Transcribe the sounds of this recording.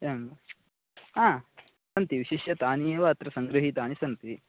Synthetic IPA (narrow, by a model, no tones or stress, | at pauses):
em | aː | sɐnt̪iʋiʃiʃjɐt̪aːnieːʋɐɐt̪ɾɐsɐŋɡɾɐɦit̪aːnisɐnt̪i